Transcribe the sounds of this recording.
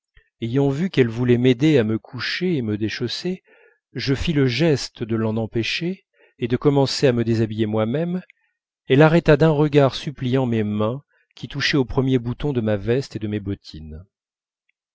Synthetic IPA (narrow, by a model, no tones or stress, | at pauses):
ejɑ̃vykɛlvulɛmed̪eaməkʰuʃeːməd̪eʃɔse | ʒəfiləʒɛst̪d̪əlɑ̃nɑ̃pɛʃeː | d̪əkɔmɑ̃seaməd̪ezabijemwamɛm | ɛlaʁɛt̪ad̪ɛ̃ʁəɡaʁsyplijɑ̃memɛ̃ | kʲit̪uʃɛopχəmjebut̪ɔ̃d̪əmavɛst̪ed̪əmebɔt̪ʰin